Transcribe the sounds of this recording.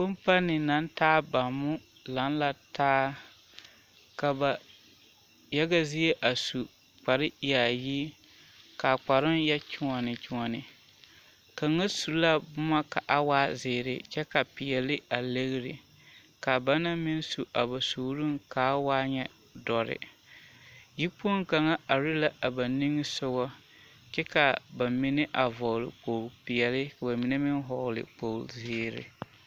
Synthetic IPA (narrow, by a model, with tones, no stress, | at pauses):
bʊ˦mpa˦nɪ˨na˨˦n˦taː˦ba˨mʊ˦ | la˨˦nla˦tʰaː˦ | ka˨ba˨ | jɛ˦ɡa˦zi˦je˦ʔa˨su˨ | k͡pa˨ɾɪ˦ja˨ji˦ | ka˨k͡pa˨ɾɪ˦njɛ˦t͡ʃʊ˦ŋɔ˨nɪ˨t͡ʃʊ˨ŋɔ˨nɪ˨ | ka˨˦ŋa˦su˨la˦bʊ˦ma˦ka˨ʔa˦waː˦zɪː˨ɾɪ̰˨t͡ʃɛ˦ka˨pɪ˨jɛ˨lɪ˦a˨le˦ɣɾɪ̰˨ | ka˨ba˦na˦mɪ˦n˦su˨ʔa̰˨ba˨suː˨˦ɾu˦ŋka˨˦waː˦ɲɛ˦ | dɔ˨ɾɪ̰˨ | ji˦pu˦o˦ŋka˨ŋa˦a˨ɾi˦la˦a˨ba˨ni˦ŋ˦sʊ˦ɡɔ˦ | t͡ʃɛ˦ka˨ba˨mɪ˦nɪ˦ʔa˨vɔ˨ɣlɪ̰˨k͡po˨lpɪ˨jɛ˨lɪ˦ka˨ba˨mi˨nɛ˦mɪ˦n˦ɦɔ˨lɪ̰˨k͡po˨zɪː˨ɾɪ̰˨